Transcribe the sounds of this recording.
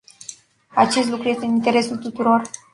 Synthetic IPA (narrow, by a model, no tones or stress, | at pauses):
at͡ʃe̞st̪lukɾuje̞st̪eɨnint̪e̞ɾe̞sult̪ut̪uɾo̞r